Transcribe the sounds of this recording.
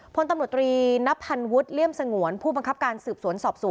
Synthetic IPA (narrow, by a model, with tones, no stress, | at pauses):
pʰo˧nt̪a˧mɾt̪ɾiː˧na˦˥pʰːa˧nwu˦˥t̪̚li˥˩əmsa˧ŋu˩˦ənpʰuː˥˩a˧ŋkʰa˦˥p̚kaː˧nsɯː˨˩p̚su˩˦ənsɔː˨˩p̚su˨˩˦